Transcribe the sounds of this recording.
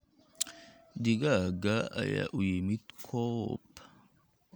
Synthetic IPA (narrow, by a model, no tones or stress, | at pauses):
d̪iɡaɡaa̰ja̰ʔujimit̪kʰop